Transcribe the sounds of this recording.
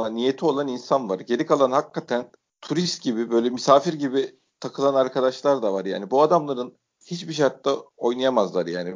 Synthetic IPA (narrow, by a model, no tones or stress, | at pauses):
anijet̪ʰio̞lˠaninsanvaɾɟe̞lʲikʰalˠanhakʰːat̪ʰæn | t̪ʰuɾist̪̚ɟibibø̞jlʲɛmysaːfiɾɟibi | t̪ʰakʰɯlˠanaɾkʰad̪aʃlˠaɾd̪avaɾja̰ːnibuad̪amlˠaɾɯn | hit͡ʃbiʃ̬aɾt̪ːao̞jnajamazlˠaɾja̰ːni